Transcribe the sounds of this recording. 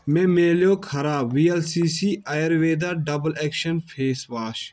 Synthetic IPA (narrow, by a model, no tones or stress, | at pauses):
mẽːmeːljoːkʰɐɾaːʋiːɛlsiːsiːajəɾʋeːd̪aːɖɐbəlɛːkʃɐnpʰeːsʋaːʃ